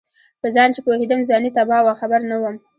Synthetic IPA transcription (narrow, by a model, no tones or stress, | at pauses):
pəzɑnt͡ʃepohed̪əmzɑnit̪abɑwaxabaɾnawəm